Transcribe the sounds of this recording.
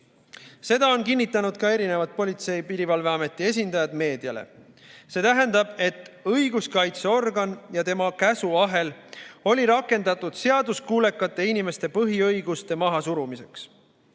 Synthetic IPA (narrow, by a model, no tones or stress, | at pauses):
se̞d̪̥ɑo̞nkinːit̪ˑːɑnud̪̥kɑe̞ɾine̞vɑt̪̚po̞lʲit̪se̞jpiɾivɑlve̞ɑme̞t̪ːˑie̞s̬ʲind̪ɑjɑd̪̥me̞ːd̪̥iɑle̞̰ | se̞ːt̪æɦænd̪ɑb̥e̞t̪ːˑɤ̞jɡ̥uskɑjt̪seo̞rɡɑnjɑt̪e̞mɑkæsuɑɦe̞lo̞lʲiɾɑkˑːe̞nd̪̥ɑt̪ːˑud̪̥se̞ɑd̪uskuːle̞kːˑɑt̪ːˑe̞inime̞st̪e̞pɤɦiɤjɡust̪e̞mɑɦɑsuɾumise̞ks